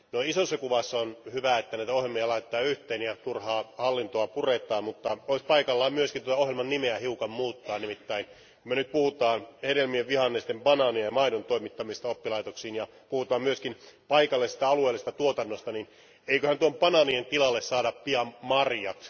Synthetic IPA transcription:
noisosːɑkuʋɑsːonhyʋæet̪ːænæit̪æohjelmiɑlɑit̪ːɑːyht̪eːnjɑt̪urhɑːhɑlːint̪oɑpuret̪ˑɑːmmut̪ːɑoispɑikɑlːɑːmmyøskint̪uot̪ɑohjelmɑnnimeæhiukɑmmuːt̪ːɑːnimit̪ːæin | kumønyt̪̚puhut̪ɑːnheɾelmieʋʋihɑnːest̪empɑnɑniɑɑmɑinont̪oimit̪ːɑmist̪ɑopːilɑit̪oksiːnjɑ | puhut̪ɑːmmyøskinpɑikɑlːesi̥t̪æɑlueːlːist̪ɑt̪uot̪ɑnːost̪ɑnin | eikøhænt̪uompɑnɑnient̪ilɑlːessɑːdɑppiɑmmɑrjɑks

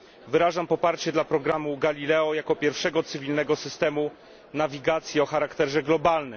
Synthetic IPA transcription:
vɘɾaʐampɔpaɾt͡ɕɛd̪lapɾɔɡɾamuɡalʲilɛɔjakɔpʲjɛɾfʂɛɡɔt̪sɘvʲilnɛɡɔsɘst̪ɛmu | navʲiɡat̪sʲjɛɔxaɾakt̪ɛʐɛɡlɔbalnɘm

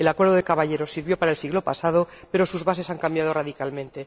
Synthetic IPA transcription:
elakweɾðoðekaβaʎe̞ɾo̞sːiɾβjo̞paɾaelsiɣlo̞pa̰sað̞o̞pe̞ɾo̞suzβase̞saŋkambjað̞o̞raðikalmẽ̞nt̪e̞

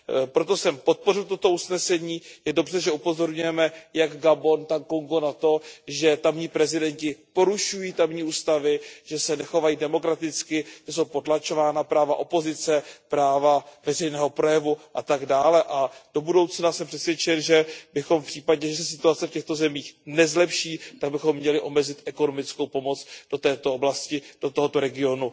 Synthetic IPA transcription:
pɾo̞t̪o̞sɛmpot̪̚po̞rɪlt̪ot̪o̞usnɛsɛɲiːjɛdo̞br̝ɛʒɛupo̞zo̞ɾɲujɛmɛjaɡɡabo̞nt̪aŋkoŋɡonat̪o̞ʒɛt̪amɲiːpɾɛzɪdɛɲcɪpo̞ɾuʃujiːt̪amɲiːuːst̪avɪʒ̥ɛsɛnɛxo̞vajiːdɛmo̞kɾat̪ɪt͡skɪʒ̥ɛso̞wpo̞t̪lat͡ʃo̞vaːnapɾaːva̰ʔo̞po̞zɪt͡sɛpɾaːvavɛrɛjnɛːɦo̞pɾo̞jɛvuʔat̪aɡdaːlɛʔad̥o̞budo̞wt͡snasɛmpr̝̥ɛt̪svjɛt͡ʃɛnʒɛbɪxo̞mfpr̝̥iːpaɟɲɛʒɛsɛsɪt̪uat͡sɛfcɛxt̪o̞zɛmiːxnɛzlɛpʃiːt̪aɡ̚bɪxo̞mːɲɛlɪʔo̞mɛzɪt̪ʔɛko̞no̞mɪt͡skowpo̞mot͡sd̥o̞t̪ɛːt̪o̞oblascɪd̥o̞t̪oɦot̪o̞ɾɛɡɪo̞nu

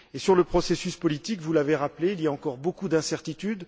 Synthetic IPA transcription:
esyʁləpχɔsesyspɔlit̪ikvulaveʁapleiliaɑ̃kɔʁbokud̪ɛ̃sɛʁt̪it̪yd̪

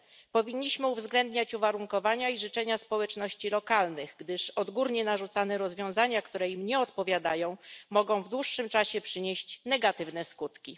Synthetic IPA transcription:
pɔvʲiɲːiɕmɘuvzɡlɛnd̪ɲat͡ɕuvaɾuŋkɔvaɲaiʐɘt͡ʂɛɲaspɔwɛt͡ʂnɔɕt͡ɕilɔkalnɘɣɡd̪ɘʂɔd̪ɡuɾɲɛnaʐut̪sanɛɾɔzvʲjɔ̃w̃zaɲakt̪uɾɛimɲɛɔt̪pɔvʲjad̪ajɔ̃w̃mɔɡɔ̃w̃vd̪wuʂːɘmt͡ʂaɕɛpʂɘɲeɕt͡ɕnɛɡat̪ɘvn̪ɛskut̪kʲi

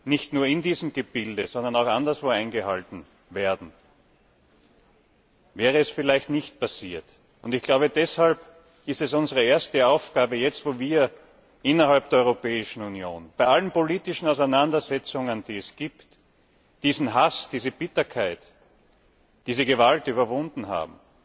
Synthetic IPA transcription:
nɪçtnuːɐɪndiːzm̩ɡ̥əb̥ɪldəzɔ̃ndɐnaʊxandɐsv̥oːãɪnɡəhaltn̩ | veːɐdn̩ | vɛːʁəɛsfɪlaɪçtnɪçt̚pasiːɐt | ʊntɪçɡ̥laʊbədɛshalp | ɪstɛsʊnzəʁəeːɐstəaʊfɡ̥aːbəjɛt͡stvoːviːɐ | ʔɪnɐhalp̚d̥eɐɔʏʁopɛːɪʃn̩unjo̰ːnb̥aɪʔalənpoliːtɪʃn̩aʊs̬æɪnandɐzɛt͡sʊŋənd̥iːɛsɡ̥iːpt | d̥iːzn̩ɦasd̥iːzəb̥ɪtɐkʰaɪt | d̥iːzəɡəvaltyːβɐvʊ̃ndn̩ɦa̰ːbm̩

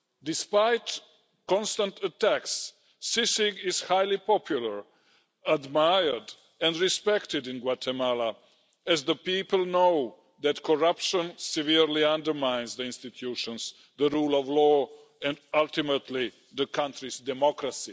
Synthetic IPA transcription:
dɪspajt | kɔ̃nst̪ə̃ntʰətæksː | ɪsɪɡɪz̥hajlipɔpʰjulˠəɹ | admajə˞d | ɛ̃ndɹispɛktɪdɪ̃nɡwatʰɛmala | ɛzðəpiːpəlˠnoʊ | ðætkʰɔɹapʃə̃nsɪviɹliãndə˞mãɪ̃nzðiɪ̃nst̪it̪ʰjuʃə̃ns | ðəɹuːlˠɔvlɔː | ɛ̃nʌlˠtɪmətʰli | ðəkʰãntɹizdɛmɔkɾasi

